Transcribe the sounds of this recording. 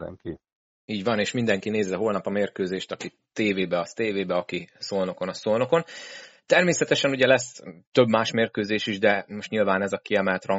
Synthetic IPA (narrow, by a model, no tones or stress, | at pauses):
d̪ɛ̰ŋki | iːɟvɒneːʃmind̪ɛŋkineːzɛɦo̞lnɒpɒmeːrkøːzeːʃt̪ɒki | t̪eːveːbɛɒst̪eːveːbɛɒkisoːlno̞ko̞nɒsoːlno̞ko̞nt̪ɛrmeːsɛt̪ɛʃɛnuɟɛlɛst̪ø̞bmaːʃmeːrkøːzeːʃiʒd̪ɛmoʃt̪ɲilvaːnɛzɒkiɛmɛlt̪rɒ